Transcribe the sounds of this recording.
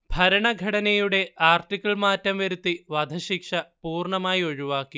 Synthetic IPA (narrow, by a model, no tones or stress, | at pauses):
bʱɐɾɐɳɐɡʱɐɽɐnɐjuɽe̞aːrtikʲːɐɭmaːtːɐmʋɐɾut̪ːiʋɐd̪ʱɐɕikʂɐpuːrɳɐmaːjio̞ɻuʋaːkːi